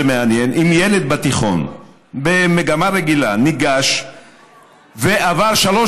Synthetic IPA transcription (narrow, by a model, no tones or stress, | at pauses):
emeanjenimjeled̪̚bat̪iχo̞̰n | bemeɡamaʁeɡilaniɡaʃ | veʔavaʁʃalo